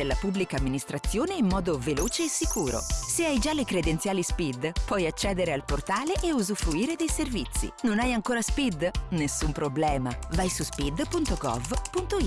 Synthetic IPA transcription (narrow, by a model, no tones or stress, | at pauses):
elːapubːlikaːmːinist̪ɾat̪sːjoːneimːɔːd̪oveloːt͡ʃeːsːikuːɾo̰seajd͡ʒalekɾed̪ent̪sjaːlispid̪pwɔjat͡ʃːɛːd̪eɾealport̪aːleʔːuzufɾuiːɾed̪ejservit̪sːḭnonajaŋkoːɾaspid̪nesːumpɾoblɛːmavajsuspid̪punt̪oɡɔ̰vpunt̪oi